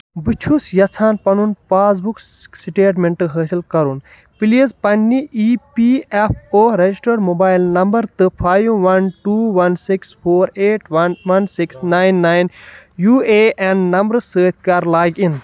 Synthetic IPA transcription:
but͡ʃʰusjɐt͡sʰaːnpɐnunpaːz̬buksiʈeːʈmeɳʈɨɦəːsilkɐɾun | pilizpɐnːiʔipiepʰoːɾed͡ʒisʈɐɾmobaːjlnɐmbɐɾt̪ɨpʰaːjuʋɐnʈuːʋɐnsikspʰoːɾeːʈʋɐnʋɐnsiksnaːjnːaːjn | juːeːʔɛ̃ɳɖnɐmbɾsəːt̪ʰkɐɾlaːɡin

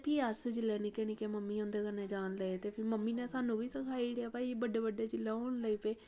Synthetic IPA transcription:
pʰiːəsd͡ʒlɛːnikɛneːkeːməmːiːõːnd̪eːkənːeːd͡ʒaːnləet̪eːpʰɪɾməmːiːnẽːsaːnũːbiːsəkʰaːiːɽeaːpaːibəɖeːbəɖaːd͡ʒɪlaːoːnləiːpeː

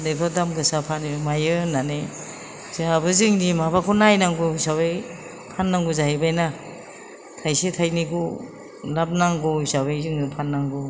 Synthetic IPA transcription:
nepʰadamɡɯsapʰanimajɯnane | zeabɯzɯŋnimabakʰɔnajnaŋɡusabaj | pʰanːaŋɡuzaɦibajna | tʰajsetʰajniɡu | lap̚naŋɡɔisabajzɯŋupʰanːaŋɡɔ

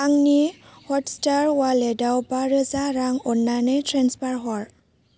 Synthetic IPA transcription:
aŋnihɔtstaɹwalɛdawbaɾɯzaɾaŋɔnːanɛtʰɾanspaɹɦɔɹ

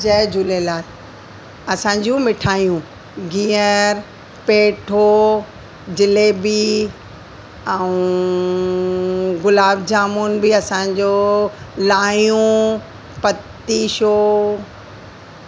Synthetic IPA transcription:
d͡ʑɐd͡ʑʊlelaːl | ɐsãːɲd͡ʑũmɪʈʰaːijũ | ɡĩːəɾ | peːʈʰo | d͡ʑɪlebi | ɛũ | ɡʊlaːbd͡ʑaːmunɪ̆biɐsãɲd͡ʑo | laːjũ | pɐt̪ːiʃoː

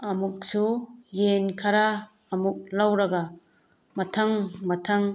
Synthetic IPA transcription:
ɐmuk̚sujenkʰaɾaː | muk̚lawɾɐɡa | mɐtʰaŋmɐtʰaŋ

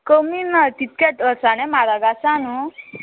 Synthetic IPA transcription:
kəminat̪it̪̚keʈəɾsanemaɾaɡasanu

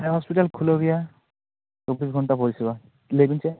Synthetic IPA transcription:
ɛɦɔspitalkʰuloɡija | sobisɡʱɔntapoɹisiba | lebinsɛ

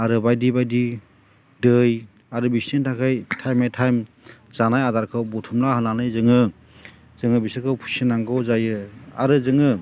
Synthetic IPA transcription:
aɾɯbajdibajdi | dɯj | aɾɯbisnintʰakʰɯjtʰajmajtʰajm | zanajadaɾkʰɯwbɔtʰumlahɯnanɯjzɯŋɯ | z̥ɯŋɯbisɯkʰɯwpʰu̥sinaŋɡʰɯwzajɯa̰ɾɯzɯŋɯ

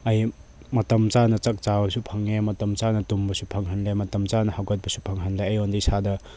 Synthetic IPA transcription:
ɐj | mɐtɐmt͡ʃanɐt͡ʃɐk̚t͡ʃabɐsupʰɐŋːemɐtɐmt͡ʃanɐtumbɐsupʰɐŋɦɐnlemɐtɐmt͡ʃanɐhawɡɐt̚bɐsupʰɐŋɦɐnlejɐjondisadɐ

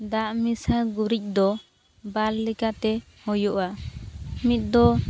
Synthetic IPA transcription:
d̪aʔmisaɡuɾic̚ˀd̪ɔ | balːɛkat̪ɛ | hɔjɔʔa | mit̪̚ˀd̪ɔ

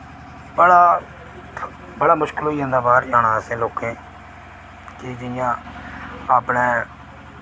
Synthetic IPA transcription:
bəɽaː | bəɽaːmʊʃkəlɦoːiːɦõːd̪aːbaːɾd͡ʒaːɽaːsẽːloːkẽː | kɪd͡ʒɪjãː | aːpɳẽː

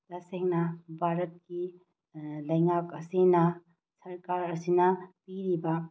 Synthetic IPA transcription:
d̥ɐseŋnɐbʱaɾɐt̚ki | lɐjŋakɐsinɐ | sɐɾkaɾɐsinɐpiɾibɐ

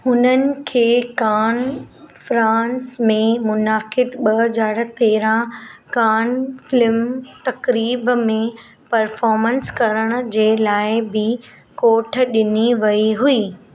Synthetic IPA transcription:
hʊnənɪ̆kʰeːkaːnfɾãːnsmẽmʊnaːkɪd̪ɓɐɦɐzaːɾ̆t̪eːɾãkaːnfɪlɪmt̪ɐkɾiːbmẽ | pɐɾfɔːɾmə̃nskɐɾəɽ̃ʊ̆d͡ʑeːlaːɪbɪ | koːʈ̆ʰɗɪniʋɐiɦuiː

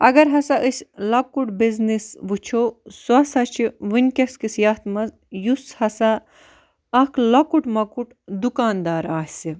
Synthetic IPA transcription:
ɐɡɐɾɦɐsɐʔəsʲlɐkuʈbiznisʋut͡ʃʰoːsɐsɐt͡ʃʰiʋinʲkɐskisijaːt̪mɐz | jushɐsa | ɐkʰlɐkuʈmɐkuʈ | d̪ukaːnd̪aːɾaːsi

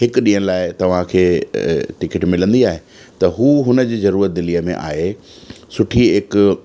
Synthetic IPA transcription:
ɦɪkʊɗĩːɦə̃ñɪlaːɪt̪ɐʋ̤ãkʰeːʈɪkɪʈmɪlə̃nd̪iaːɦe | t̪ɐɦuːɦʊnə̆d͡ʑiːzɐɾuːɾət̪̚d̪ɪliːəmḛ̃ʔaːɦe | sʊʈʰiɦɪk

